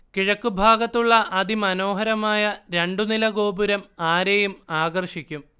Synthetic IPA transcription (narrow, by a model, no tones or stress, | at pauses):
kiɻɐkːubʱaːɡɐt̪ːuɭːɐʔɐðimɐno̞ːɦɐɾɐmaːjɐɾe̞ɳɖunilɐɡo̞ːbuɾɐmaːɾejumaːɡɐrʂikʲːum